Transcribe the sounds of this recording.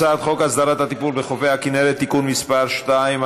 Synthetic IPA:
aːt̪χo̞kasd̪aɾat̪at̪ipuɾbeχofehakineɾet̪ːikunmispaɾʃt̪aim

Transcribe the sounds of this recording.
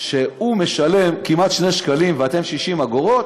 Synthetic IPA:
ʃeume̞ʃale̞mkimat̪ʃne̞ʃkalimveat̪e̞mʃiʃimaɡoʁo̞t̪

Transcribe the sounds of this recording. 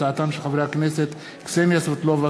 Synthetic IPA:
aat̪amʃeχavɾeakneset̪ | ksemjasot̪lova

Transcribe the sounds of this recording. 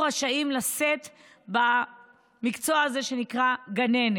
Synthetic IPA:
ʁaʃaimlase̞t̪ | ba | mikt͡soaːze̞ʃe̞nikʁaɡane̞n

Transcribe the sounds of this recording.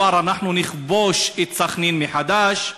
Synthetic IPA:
aɾanaħnunɪχboʃit̪saχninmiħad̪aʃ

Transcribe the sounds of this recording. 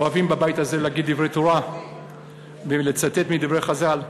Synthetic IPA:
oavimbabajit̪aze̞leaɡid̪dːivʁejt̪oʁa | belet͡sat̪e̞t̪mid̪ivʁe̞jχazal

